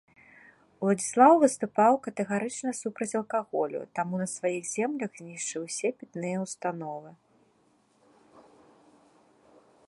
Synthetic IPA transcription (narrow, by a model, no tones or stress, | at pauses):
lˠɐd͡zʲislˠawvɨst̪upawkɐt̪ɛɣaɾɨt͡ʂnɐsupɾɐt͡sʲɐlˠkaɣɔlʲṵt̪amunɐsvajiɣzʲɛmlʲɐɣzʲnʲiʂt͡ʂɨwsʲɛpʲit̪nɨjɐwst̪anɔvɨ